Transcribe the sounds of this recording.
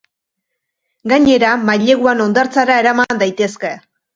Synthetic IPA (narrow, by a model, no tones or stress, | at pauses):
ɡaɲe̞ɾamaʎe̞ɣuano̞nd̪aɾt͡saɾae̞ɾamand̪ajt̪e̞ske̞